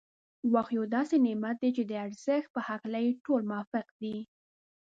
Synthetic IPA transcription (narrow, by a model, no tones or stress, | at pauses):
waxjod̪ɑsenɪmat̪̚d̪et͡ʃed̪əaɾz̥əxt̪̚pəhaklajeʈolmʊwɑfɪqd̪i